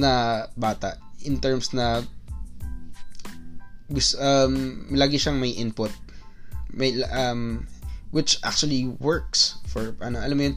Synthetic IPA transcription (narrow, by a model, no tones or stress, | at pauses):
nɐbaːt̪ɐ̰ʔʔɪnt̪ɛɹmsnɐ | ɡʊsʔɐmlaːɡɪʃɐŋmɐjʔɪnpʊt̪̚ | mɐjʔɐmwɪt͡ʃʔa̰k̚t͡ʃʊɐliwɛɹksfɔɹʔɐnoʔɐlɐmːʊjon